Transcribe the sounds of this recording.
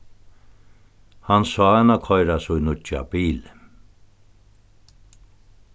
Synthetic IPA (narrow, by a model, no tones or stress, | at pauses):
hansɔanakʰɔjɾasujnʊt͡ʃa̰biːl